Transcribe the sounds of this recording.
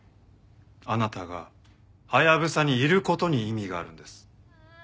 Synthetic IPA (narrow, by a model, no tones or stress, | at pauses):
anat̪aɡa̰ | hajaβɯ̟saɲ̟iːɾɯ̟ko̞t̪o̞ɲ̟iimʲiɡa̰ːɾɯ̟̃nd̪e̞sɨ̥